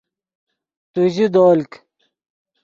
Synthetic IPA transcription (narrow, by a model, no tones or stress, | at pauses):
t̪uʑid̪oːlk